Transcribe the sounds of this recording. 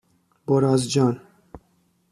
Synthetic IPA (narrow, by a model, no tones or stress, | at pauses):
boɾɑːzd͡ʒɑːn